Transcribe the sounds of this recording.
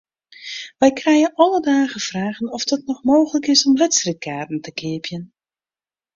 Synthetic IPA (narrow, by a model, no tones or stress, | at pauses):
ʋɛjkrɛjəʔɔlədaːɣəfraːɣənɔfdɔt̚nɔxmoːxələkɪsɔmlɛtsrit̚kʰaːrtn̩təkʰɪəpjən